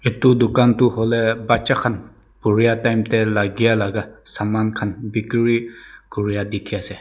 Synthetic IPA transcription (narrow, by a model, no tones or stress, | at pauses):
itudukantuhɔlɛbat͡ʃakʰan | puɹijatajmtɛlaɡijalaɡasamankʰanbikɹikuɹijadikʰijasɛ